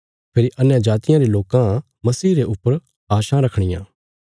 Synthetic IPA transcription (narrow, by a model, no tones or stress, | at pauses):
pʰeːɾiʔɐnjad͡ʒaːt̪ɪjãɾiloːkã | mɐsiːɾeʔʊpːəɾ | aːʃãɾɐkʰɽ̃ɪjã̰ː